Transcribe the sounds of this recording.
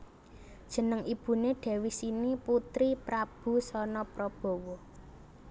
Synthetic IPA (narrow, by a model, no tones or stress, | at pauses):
d̥ʒ̥ə̤nəŋʔib̥ṳneɖ̥ɛ̤wisiniput̪ɾipɾab̥ṳsɔnɔpɾɔb̥o̤wɔ